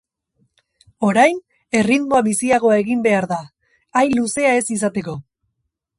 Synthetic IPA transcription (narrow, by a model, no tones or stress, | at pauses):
o̞ɾajn | e̞riðmo̞aβisiaɣ̞o̞ae̞ɣimbe̞aɾða | ajnluse̞ae̞sis̬at̪e̞ko̞